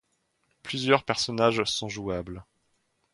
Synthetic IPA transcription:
plyzjœʁpɛʁsɔnaʒsɔ̃ʒuabl

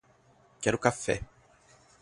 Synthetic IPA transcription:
kɛɾʊkafɛ̰

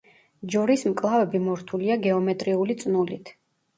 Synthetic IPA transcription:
d͡ʒɔɾismkʼlˠavɛbimɔɾt̪ʰuliaɡɛɔmɛt̪ʼɾiulit̪sʼnulit̪ʰ

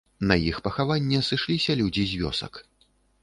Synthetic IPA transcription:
nɐjixpɐxavanʲːɛsɨʂlʲisʲɐlʲud͡zʲizʲvʲɔ̰sɐ̰k

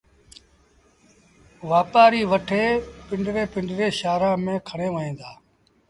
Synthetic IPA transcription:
ʋaːpaːɾiːʋəʈʰeːpɪɳɖɾeːpɪɳɖɾeːʃaːɾãːmẽːkʰəɽẽːʋənẽːd̪aː

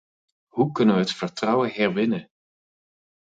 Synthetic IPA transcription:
ɦukɵnəʋəɦətfəɹtrʌwəɦɛɹʋɪnə

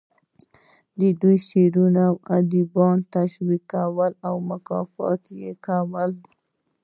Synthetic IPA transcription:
d̪əd̪ujʃeɾunawad̪ibɑnt̪aʃwikːawəlawmʊkɑ̰fɑ̰t̪jekawəl

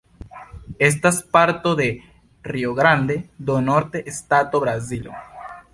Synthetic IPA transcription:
e̞s̬taspaɾt̪o̞d̪e̞ | rioɡɾand̪e̞d̪onoɾt̪e̞ʔːstat̪o̞bɾazilo̰

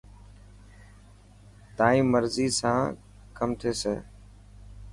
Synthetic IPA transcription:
t̪ãːĩːməɾziːsãː | kəmt̪ʰeːseː

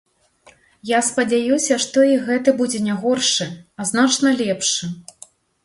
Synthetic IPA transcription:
jaspɐd͡zʲajusʲɐʂt̪ɔiɣɛt̪ɐbud͡zʲɛnʲaɣɔrʂɨɐznat͡ʂnɐlʲɛpʂɨ

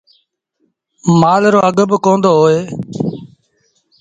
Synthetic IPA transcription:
maːlɾoːəɡəbkõːnd̪oːɦoːeː

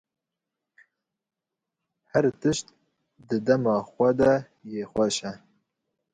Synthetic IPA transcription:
hɛɾt̪ɨʃt̪̚ | d̪ɨd̪ɛmɑːxʷɛd̪ɛ | jeːxʷɛʃɛ

